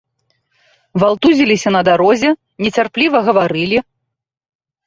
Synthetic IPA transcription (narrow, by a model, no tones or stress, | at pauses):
valˠt̪uzʲilʲisʲɐnɐd̪aɾɔzʲɛ | nʲɛt͡sʲarplʲivɐɣɐvaɾɨlʲi